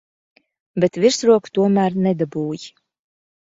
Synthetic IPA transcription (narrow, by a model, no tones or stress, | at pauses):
bɛt̪viɾsɾuɔkt̪uɔmæːɾnɛd̪abuːj